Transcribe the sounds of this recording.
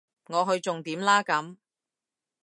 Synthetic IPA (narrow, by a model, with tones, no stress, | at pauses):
ŋɔː˨˧ɦɵ˧ɥt͡sʊ˨ŋt̪iː˨˥mlaː˥kɐ˨˥m